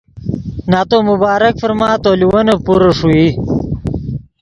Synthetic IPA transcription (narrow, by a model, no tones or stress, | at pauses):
naːt̪oːmubaːɾɐkfɐɾmaːt̪oːliwɐnɐpuɾɐʂui